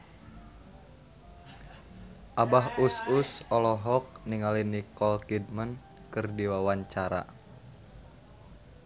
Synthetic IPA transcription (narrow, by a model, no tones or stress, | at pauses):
ʔabaɦususɔlɔɦɔk̚niŋalinikɔlkid̚mən | kɨrdiwawaɲt͡ʃaɾa̰